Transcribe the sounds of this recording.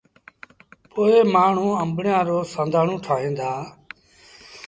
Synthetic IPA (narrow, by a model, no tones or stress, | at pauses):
poːeːmaːɳ̤ũːəmbɳɪjãːɾoːsə̃nd̪ʱaːɳ̤ũːʈʰaːɦẽːnd̪aː